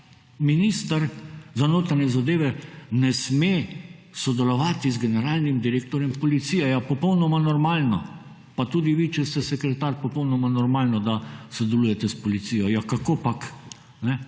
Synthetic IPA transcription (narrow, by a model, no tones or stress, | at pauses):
minist̪əɾzanoːt̪anjɛzad̪eːʋɛnɛsmesɔd̪ɛlɔʋaːt̪izɡɛnɛɾaːlnimd̪iɾeːk̚t̪ɔɾjɛmpɔlit̪sijɛjapɔpɔwnɔmanɔɾmaːlnɔ | pat̪uːd̪iʋiːt͡ʃɛst̪ɛsɛkɾɛt̪aːɾpɔpɔwnɔmanɔɾmaːlnɔd̪asɔd̪ɛlujɛt̪ɛspɔlit̪sijɔjakakopak | nɛ